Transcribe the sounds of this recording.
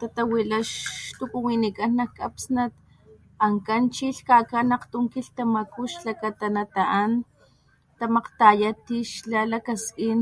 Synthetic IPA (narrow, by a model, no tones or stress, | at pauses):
t̪at̪awilaʃt̪ukuwinikanːakapsnat̪ | aŋkant͡ʃiɬkakanaqt̪umkiɬt̪amakuʃlakat̪anat̪aʔan | t̪amaqt̪ajat̪iʃlalakaskin